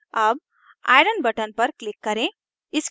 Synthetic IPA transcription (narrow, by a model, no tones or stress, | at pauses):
ɐb̚ | a̰ːɪɖənbɐʈənpɐɾklɪkːɐɾẽ | ɪs